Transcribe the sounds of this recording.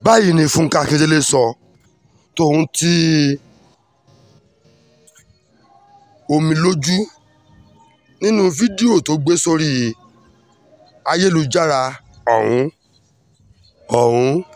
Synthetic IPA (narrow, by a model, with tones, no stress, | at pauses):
ba˦˨ji˦˨nĩ˧fũ˦ŋ̩˦ka˦˧kĩ˧te˧le˦sɔ˧ | to˦˨ũ˧ti˦ | o˧mĩ˧lo˦d͡ʒu˦ | nĩ˦nũ˦fi˦di˦o˦˨to˨˦ɡ͡be˦so˧ɾi˦˨ | a˧je˦lu˧d͡ʒa˦ɾa˧ | ɔ˨w̃ũ˨˦ | ɔ˨wũ˨˧˦